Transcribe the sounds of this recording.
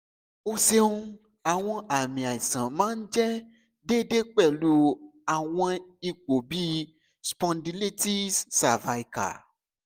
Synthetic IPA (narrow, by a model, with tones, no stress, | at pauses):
o˦se˧ũ˦ | a˨w̃ɔ̃˧ʔa˨mĩ˨a˨i˨sã˨mãː˨˦n̩˦d͡ʒɛ˦ | de˦de˦k͡pɛ˦˨lu˦a˨w̃ɔ̃˧i˧k͡po˨bi˦ | spɔ̃˧ndi˧le˦ti˦ssa˨va˧i˦ka̰˨